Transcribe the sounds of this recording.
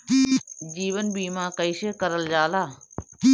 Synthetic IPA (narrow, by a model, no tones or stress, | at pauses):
id͡ʒiːʋənbiːmãːkəiʃeːkəɾəld͡ʒaːlaːiː